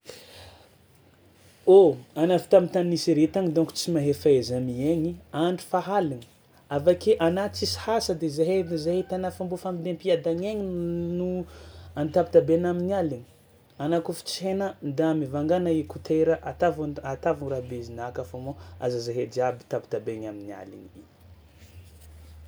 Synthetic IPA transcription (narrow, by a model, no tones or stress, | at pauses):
oanafi̥t̪amit̪aniisiɾet̪aɲid̪uŋku̥t͡simaɦefaezamieɲiaɳɖ͡ʐi̥faɦalini̥ | avakeʔanat͡sisi̥hasəd̪ezaɦeizaɦit̪anafambofamid̪empiad̪aɲeɲinuanit̪abit̪abenaminialini̥ | anakufi̥t͡sihenand̪amivaŋɡanaikut̪ʰeɾəʔat̪avuat̪avuɾabeizinakafamoa̰zazaɦed̪iabit̪abi̥t̪abeɲaminia̰lḭnii